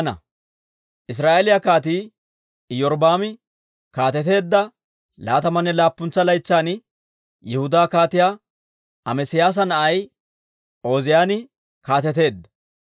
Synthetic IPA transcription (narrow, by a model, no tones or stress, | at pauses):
nɐ̰ | ʔɪs̬ɾaːʔelɪjakaːt̪̬iː | jɔɾbaːmɪ | kaːt̪ɛt̪e̞ːd̪ːɐ | laːt̪ɐmɐnːɛlaːpːʊnt͡sːɐlɐjt͡sːaːnɪ | jɛhʊd̪aːkaːt̪ɪjaː | ɐmɛsɪjaːs̬ɐnɐʔɐj | ʔo̞ːzɪjaːnɪ | kaːt̪ɛt̪e̞ːd̪ːɐ̥